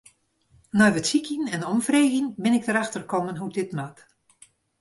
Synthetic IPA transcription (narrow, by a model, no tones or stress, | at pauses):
nɔjʋətsikʰjənɛnɔmfreːɣinbɪnɪk̚dəɾaxtərkɔmənɦudɪtmat